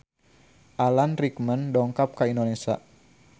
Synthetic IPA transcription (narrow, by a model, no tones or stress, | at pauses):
ʔalanrikməndɔŋkap̚kaindonesa̰